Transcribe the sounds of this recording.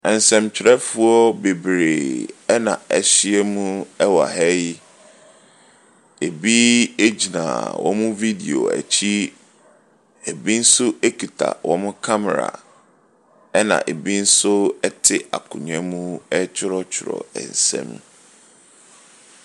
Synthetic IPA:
ɛ̃˨n˨sɛ̃˨mt͡ɕʰᶣɪ˨ɾɛ˦fu˦ɔ˦be˨bɾe˨ɛ˦nã˨æ˨ɕɪ˦ɛ˦mũ˦ɛ˦wa˨hɛ˦ji˦ | e˨bi˦e˦d͡ʑi˨nã̰˨wʔɔ̰˨mʊ̃˦vi˦di˨o̰˨æ̰˨t͡ɕʰi˦ | e˨bi˦n̩˦sʊ˦e˦kʰi˨tʰa̰˨wʔɔ˨mʊ̃˦kʰa˦mɛ˨ɾa̰˨ | ɛ˦nã̰˨ʔe˨bi˦n̩˦sʊ˦ɛ˦tʰɪ˦a̰˨kʰʊ̃˨ɲ˨ɛ̃˦mũ˦ɛ˦t͡ɕʰɪ˦ɾɔ˦t͡ɕʰɪ˨ɾɔ̰˨ɛ̰̃˨n˨sɛ̰̃˦˨m

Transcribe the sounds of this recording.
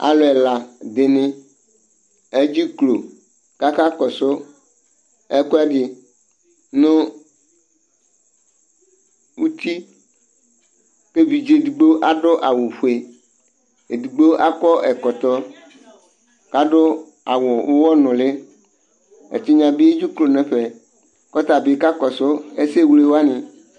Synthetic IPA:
a̰˨lʊ˨ɛ˨la˨d̪ɪ˨nɪ̃˦ | e˦d͡ʑi˦klo˨ | ka˦ka˦kɔ˨sʊ˦ | ɛ˦kɔ˦ɛ˦dɪ˨ | nʊ̃˦ | u˦t̪i˦ | ke˦vi˨d͡ʒe˨du˨ɡ͡be˦ʔa˨ɖʊ˦ʔa˨wʊ˨ɸu˨e˨ | e˨du˨ɡ͡be˦ʔa˦kɔ˦ʔɛ˨kɔ˨t̪ɔ˦ | ka˨ɖʊ˦ | a˨wʊ˨wʊ˦wɔ˦nʊ̃˨lɪ˦ | ḛ˨t͡ʃi˦ɲã˨bi˦e˦d͡ʒu˦klo˨nɛ̃˦ɸe˨ | kɔ˦t̪a˨bi˨ka˦kɔ˨sʊ˦e˦se˦˨wle˦wo˦a˦nɪ̃˨

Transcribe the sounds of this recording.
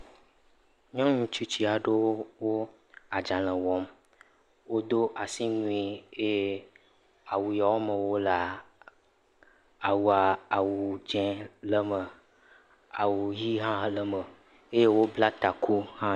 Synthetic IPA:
ɲɔ̃˦ɲũ˦t͡ʃu˦t͡ʃi˦a˨ɖo˦wo˦wo˦ | a˨d͡ʒa˨l̃ə̃˨wɔ˨˦m | wo˦d̪o˦ʔa˨si˦nũ˦i˨e˦je˦ | a˨wu˨ja˨wo˦mə˨wo˦la˨ | a˨wu˨a˨a˨wu˨d͡ʒɛ̃˦lə˦mə˨ | a˨wu˨ji˦ɦã˦lə˦mə˨ | e˦je˦wo˦bla˦t̪a˨kʰu˦hã˦

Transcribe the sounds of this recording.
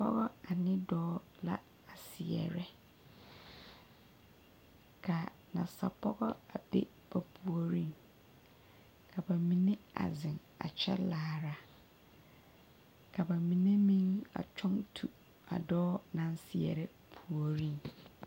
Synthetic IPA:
pʰɔ̰˦ɡɔ˦a˨nɪ̃˦dɔː˦ | la̰˦ | a˨si˨ɛ̰˨ɾɛ˦ | kʰa˨ | nã̰˨sa̰˨pʰɔ˦ɡɔ˦a˨bḛ˦ | b̥a˨pʰu˨o˦ɾĩ˦n | kʰa˨ba˨mĩ˨nɪ̃˦a̰˨zɪ̃˨n | a̰˨t͡ɕʰᶣɛ̰˦laː˨˦ɾa˨ | kʰa˨ba˨mĩ˨nɛ̃˦mĩ˦na̰˨t͡ɕʰᶣɔ̃˦ntʰu˨ | a̰˨dɔː˦nã˨n˦si˨ɛ̰˨ɾɛ˦ | pʰu˨o˨ɾĩ˦n

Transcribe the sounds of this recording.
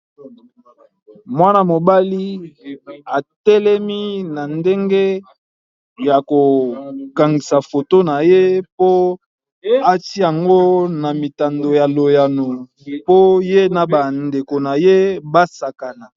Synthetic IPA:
mwa˦na˦mo˨ba˦li˦ | a˨tɛ˦lɛ˦mi˦na˨nde˦ŋɡe˦ | ja˨ko˨ka˨ŋɡi˨sa˨fo˨to˦na˨je˦po˦ | a˦ti˦ja˨ŋɡo˦na˨mi˨ta˨ndo˨ja˨lo˨ja˨no˨ | po˦je˦na˨ba˨nde˨ko˨na˨je˦ba˦sa˨ka˨na˨

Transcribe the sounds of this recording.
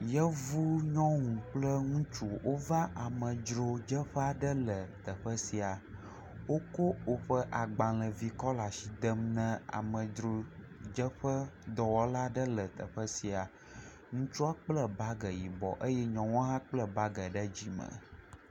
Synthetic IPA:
jə˦vu˦ɲɔ̃˦ŋũ˨k͡plə˦ŋũ˦t͡ʃu˦wo˦va˦ʔa˨mə̃˨d͡ʒɾo˦d͡ʒə˦ɸə˦a˨ɖə˦lə˨t̪ə˨ɸə˦si˨a˨ | wo˦ko˦wo˦ɸə˦ʔa˨ɡ͡bã˨lə˨vi˨kɔ˦la˨ʃi˨d̪ə˦mnə̃˦a̰˨mə̃˨d͡ʒɾo˨ | d͡ʒə˦ɸə˦d̪ɔ˨wɔ˦la˦ɖə˦lə˨t̪ə̰˨ɸə˦si˨a˨ | ŋũ˦t͡ʃu˦a˦k͡plə˦ba˦ɡə˨ji˨bɔ̰˨ʔə˦jɛ˦ɲɔ̃˨wɔ̃˦ɦã˦k͡plə˦ba˦ɡə˨ɖə˦d͡ʑi˦mə̰̃˨

